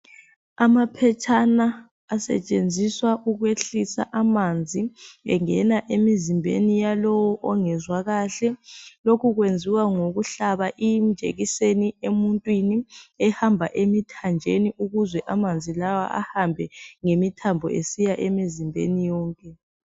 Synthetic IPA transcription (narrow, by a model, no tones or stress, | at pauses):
amapʰɛt͡ʃʰʼanaː | sɛ̰t͡ʃʼend͡zʱiswaʔuɣweɬisa̰ʔamand͡zʱiɛ̰ŋɛnaʔemizimbʱḛnijalɔwɔʔɔŋɛzwaɣaɬɛlokʰuɣwend͡zʱiwaŋoɣuɬaβaʔijm̩d̥d͡ʒ̥ʱḛɣiseniemuntʼwiniɛhambʱaʔemitʰand͡ʒʱeniuɣuzwɛʔamand͡zʱilawa̰ʔa̰hambʱɛŋemitʰambʱɔ̰ʔesijaʔemizimbʱḛnijɔːŋkʼɛ